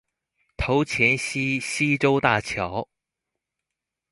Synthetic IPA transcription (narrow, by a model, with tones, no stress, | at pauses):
t̪ʰo˧˥ʊt͡ɕʰjɛ˧˥nɕi˥ɕi˥ʈ͡ʂo˥ʊt̪a˥˩t͡ɕʰjɑ˧˥ʊ